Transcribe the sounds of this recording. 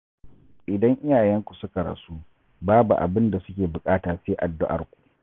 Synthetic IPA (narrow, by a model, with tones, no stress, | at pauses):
ʔɪ˨dɐ˦ŋʔɪ˦jaː˨jɛ˦ŋkʷu˨sʊ˦ka˨ɾɐ̰˨su˦ | baː˦bu˨ʔa̰˨bɪ˦nda˨sʊ˦kʲeː˨bʊ˨kʼaː˦taː˨seː˦ʔa˨dːʊ˦ʔa̰˨rkʷu̥˨ʔ